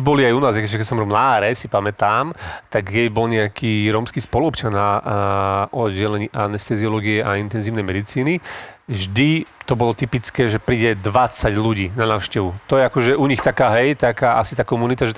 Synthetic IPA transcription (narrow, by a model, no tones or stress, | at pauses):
bɔliajunaːzjakɛʒɛkɛsɔmɾɔmnaaɾɛsipamɛt̪aːmt̪aɡjɛbɔlɲɛakʰiːɾɔːmskiːspɔluɔpt͡ʃana | ʔɔd̪ɛlɛɲiːʔanɛst̪ɛziɔlɔːɡiɛʔaint̪ɛnziːʊnɛjmɛd̪it͡siːniʒd̪it̪ɔbɔlɔt̪ipit͡skɛːʒɛpɾiːɟɛd̪ʋat͡saɟluɟiːnanaːʊʃcɛʋut̪ɔjɛakɔʒɛʔuɲixt̪akaːɦɛjt̪akaːʔa̰si̥t̪aːkɔmunit̪aʒɛt̪